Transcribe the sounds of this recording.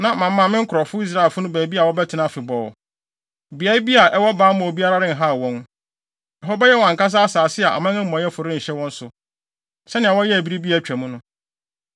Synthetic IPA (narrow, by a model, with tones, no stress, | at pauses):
nã˨mã˨mː˦ã˨˦mɪ̃˦ŋ̩˦kʰʊ˨ɾɔ˨fʊ˦i˦s̬ɾa˦e˨lfʊ˦nʊ̃˦bæː˨bi˦a˨wɔ˦bɛ˦tʰɪ˨nã˦fɪ˨bɔː˨ | bi˨a˦ɾi˦bi˦a˨ʔɛ˦wɔ˦baː˨˦mã˨o˨bi˦a˦ɾa˦ɾɪ̃˦n˨ɦa˦˨wɔ̃˦n | ɛ˨ɦɔ˦bɛ˦jɛ˦wɔ̃˨ŋ̩˨ka˦s̬a˦a˦saː˨sɪ˦a˨ʔa̰˨mã˦ɪ̃˦m̩ː˦˨ɔ̃˨˦jɛ˦fʊ˨ɾɪ˦ɲ̩˨ɕɛ˦wɔ̃˦n̩˦sʊ˨ | sɛ˦nɪ̃˨a˨wɔ˦jɛ˦æ˨bi˦ɾi˦bi˦a˨t͡ɕᶣæ˨mũ˦nʊ̃˦